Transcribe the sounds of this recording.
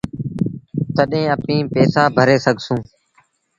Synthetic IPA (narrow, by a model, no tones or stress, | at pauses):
t̪əɗẽːəpĩːpeːsaːbʱəɾeːsəɡʱsũː